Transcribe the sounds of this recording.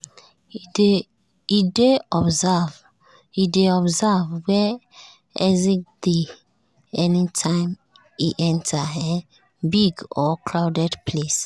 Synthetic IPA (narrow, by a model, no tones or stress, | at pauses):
ideɔbzav | ideɔbzavwɛ | ɛzĩd̥e | ɛnitʰãɪ̃m | iʔɛ̃ntʰaɛ̃n | biɡɔkʰlaʊdɛdpʰles